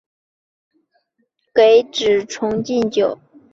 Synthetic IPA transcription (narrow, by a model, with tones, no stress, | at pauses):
ke˧˥ɪʈ͡ʂɻ̩˨˩ʈ͡ʂʰʊ˧˥ŋt͡ɕi˥˩nt͡ɕjo˨˩˦ʊ